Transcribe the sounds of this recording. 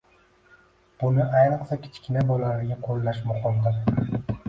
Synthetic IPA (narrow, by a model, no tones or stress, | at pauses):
b̥ʊnɪajnɨqsakʲʰɪ̥t͡ʃkʲʰɪnabɒlaɾɪɡʲaqʰolˠːaʃmʊχɒmd̪ɪɾ